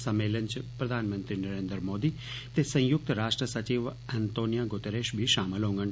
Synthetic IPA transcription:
sɐmeːləɲt͡ʃpɾɐd̪ʱaːnmə̃nt̪ɾinɐɾẽːnd̪ɾmoːd̪i | t̪esɐ̃j̃jʊk̚t̪ɾaːʂʈɾəsɐt͡ʃiʋɛnt̪oːnijaɡot̪eːɾeːʃbʱiʃaːməlɦõːŋɡəɳ

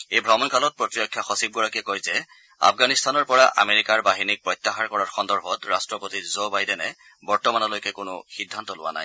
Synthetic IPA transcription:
ejbʱɹɔmɔnkalɔt̚pɹɔtiɹjɔkʰːjaxɔsib̚ɡɔɹakɛkojzɛ | a̰fɡanistʰanɔɹpɔɹaʔa̰meɹikaɹbaɦinik̚pɹɔjtːaxaɹkɔɹaɹxɔndɔɹbʱɔtɹastɹɔpotizobajdɛnɛ | bɔɹtɔmanɔlojkɛkʊnʊ̰xidʱːantɔlʊ̰wa̰na̰j

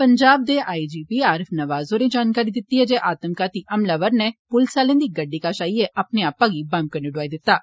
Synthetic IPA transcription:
pəɲd͡ʒaːb̚d̪eːʔaːid͡ʒiːpiːaːɾɪfʰnɐʋaːzoːɾẽːd͡ʒaːnkaːɾid̪ɪt̪ːiɦɛːd͡ʒeːʔaːt̪əmkaːt̪iːʔɐmlaʋəɾnɛpʊlsaːlẽːd̪iːɡəɖːiːkaːʃaːiɛʔapneaːpːãːɡiːbãm̚kəneɖʊaːid̪ɪt̪ːaː

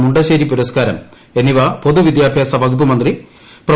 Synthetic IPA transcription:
muɳɖɐɕeːɾipuɾɐskaːɾɐm | eniʋɐpo̞d̪uʋid̪jaːbʱjaːsɐʋɐɡup̬ːumɐnd̪ri | prɐ

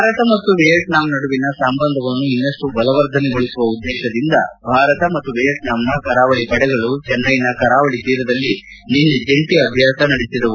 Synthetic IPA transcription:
ɾɐt̪ɐmɐt̪ːuʋejɐʈnaːmnɐɽuʋinɐsɐmbɐnd̪ʱɐʋɐnːuinːɐʂʈubɐlɐʋɐɾd̪ʱɐnɛɡoɭisuʋɐud̪ːɛːʃɐd̪ind̪ɐ̰bʱaːɾɐt̪ɐmɐt̪ːuʋejɐʈnaːmnɐkɐɾaːʋɐɭipɐɽɛɡɐɭut͡ʃɛnːɐjinɐkɐɾaːʋɐɭit̪iːɾɐd̪ɐlːi | ninːud͡ʒeɳʈiɐbʱjaːsɐnɐɽisid̪ɐʋu

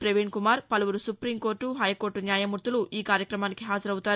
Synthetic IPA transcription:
pɾeʋiːɳkumaːɾpɐluʋuɾusupɾimko̞ːɾʈːuɦɐjko̞ːɾʈːunjaːjɐmuɾt̪uluʔiːkaːɾjɐkɾɐmaːnikiɦaːd͡ʒɐɾɐwut̪aːɾu

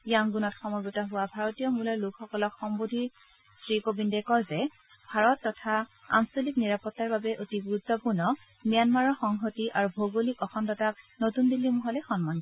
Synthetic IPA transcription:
jaŋɡunɔtxɔmɔɹɡutaɦʊwabʱaɹotijɔmulalʊkxɔkɔlɔkxɔmbodʱiɹ | stɹikobindɛkɔlzɛ | bʱaɹɔtːɔtʰaa̰nsolikniɹapɔtːaɹbabɛʔotibuɹutʰːɔpuɹnɔ | mijanmaɹɔxɔŋɦotiʔaɹubʱoɡolikɔxɔndɔtak̚notundilːimuɦɔlɛxɔnman

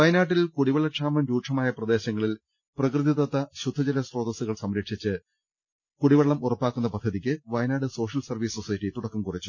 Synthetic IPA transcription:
ʋɐjnaːʈːilkuɽiʋɐɭːɐʈʂaːmɐnɾuːʂʰɐmaːjɐprɐd̪e̞ːɕɐŋːɐɭil | prɐkrɨðit̪ɐt̪ːɐɕud̪ʱːɐd͡ʑɐlɐsro̞ːd̪ɐsuɣɐɭsɐmɾɐkʂit͡ɕːɨ | kuɽiʋɐɭːɐmurɐpːaːkːunːɐpɐd̪ʱːɐðikʲːɨʋɐjnaːɖɨso̞ːʂɐlsɐrʋiːsosɐjɐtʈːit̪uɽɐkːumkurit͡ɕːu̥

